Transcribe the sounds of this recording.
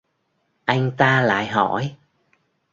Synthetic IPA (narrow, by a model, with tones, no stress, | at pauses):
ʔa˧jŋ̟t̪aː˧la̰ː˧˨jɦɔ˧˩˨j